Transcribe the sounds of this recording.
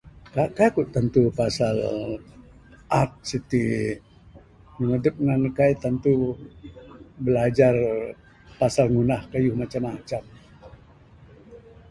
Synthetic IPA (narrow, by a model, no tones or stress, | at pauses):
kakajkuʔt̪ːant̪upasal | ʔat̪̚sit̪i | məŋədəp̚ŋankajt̪ant̪u | bəlad͡ʒar | pasalŋunahkajuhmat͡ʃamat͡ʃam